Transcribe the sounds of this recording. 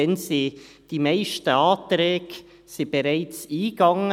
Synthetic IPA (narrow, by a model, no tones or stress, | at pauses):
ɛnsi | d̥imaɪʃtəɑːtɾɛːɡ̥ | sib̥eɾaɪt͡siːɡɑŋə